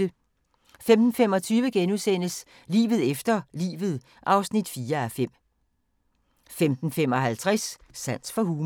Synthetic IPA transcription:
ə | femd̥n̩fem̰ɒ̽t͡sʰyːʋəɡ̥enuðˠsen̰əs | lḭːʋð̞̩ˠefd̥ɐlḭːʋð̞̩ˠ | ʔɑ̈ʊsnid̥fiːɐæfem̰ | femd̥n̩fem̰ɒ̽ɦælt͡sʰʁasː | æn̰sfɒ̽ɦuːm

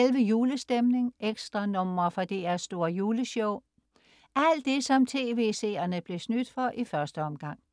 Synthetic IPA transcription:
elʋəjuːləsd̥emne̝ŋʔeɡ̥sd̥ʁɑ̈nɔ̽m̰ɐfɒ̽d̥e̝æɐsd̥o̝ːɐ̰juːləɕɔʊ | ʔæl̰d̥e̝sɒ̽mt͡sʰe̝ːʋe̝̰se̝̰ːɐnəb̥le̝snyd̥fɒ̽ʔifɶɐsd̥əɒ̽mɡ̥ɑ̈ŋ̰

